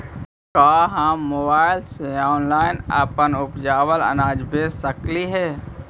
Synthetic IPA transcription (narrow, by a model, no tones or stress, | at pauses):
kaːɦãːoːbaːɪlseaːnlaːɪnə̰pənʊpd͡ʒaːwələ̰naːd͡ʒbeːsəkliɦɛː